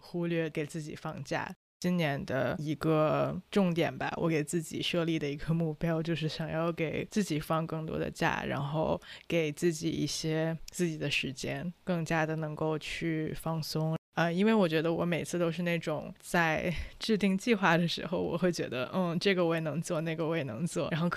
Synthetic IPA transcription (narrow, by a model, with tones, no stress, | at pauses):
xu˥lɥɛ˥˩ke˨˩ɪt͡sɹ̩˥˩t͡ɕḭ˨˩fɑ˥˧ŋt͡ɕja̰˥˩ | t͡ɕi˥nnjɛ˧˥nd̪ə̰˧i˧˥ɡə˧ʈ͡ʂʊ˥˩ŋt̪jɛ˨˩nba̰˧˦wʔɔ̰˧˥ke˨˩ɪt͡sɹ̩˥˩t͡ɕḭ˨˩ʂɤ˥˧li˥˩d̪ə˩i˧˥ɡə˧mu˥˩pjɑ˥ʊt͡ɕjo˥˧ʊʂ̬ɻ̩˥˩ɕjɑ˨˩ŋjɑ˥˩ʊke˨˩ɪt͡sɹ̩˥˩t͡ɕi˨˩fɑ˥˧ŋkɤ˥˩ŋt̪wɔ̰˥d̪ə̰˧t͡ɕja̰˥˩ɻa̰˧˥nxo˥˧ʊke˨˩ɪt͡sɹ̩˥˩t͡ɕi˨˩ḭ˥˩ɕjɛ˥t͡sɹ̩˥˩t͡ɕi˨˩d̪ə˦ʂɻ̩˧˥t͡ɕjɛ˥nkɤ˥˩ŋt͡ɕja˥d̪ə˨nɤ˧˥ŋko˥˧ʊt͡ɕʰy˥˩fɑ˥˩ŋsʊ˥ŋ | ə˧i˥nwe˥˩ɪwɔ˨˩t͡ɕɥɛ˧˥d̪ə˧wɔ˧˥me˨˩ɪt͡sʰɹ̩˥˧t̪o˥ʊʂ̬ɻ̩˥˧na˥˩ɪʈ͡ʂʊ˨˩ŋt͡sa˥˧ɪʈ͡ʂɻ̩˥˧t̪i˥˧ŋt͡ɕi˥˧xwa˥˩d̪ə˩ʂɻ̩̰˧˥xo˧ʊwɔ̰˨˩xwe˥˩ɪt͡ɕɥɛ̰˧˥d̪ə̰˧n̩˥˩ʈ͡ʂɤ˥˩ɡə˩we˥˩ɪnɤ˧˥ŋt͡swɔ˥˧na˥˩ɡə˩we˥˩ɪnɤ̰˧˥ŋt͡swɔ̰˥˩a˧˥nxo˥˩ʊ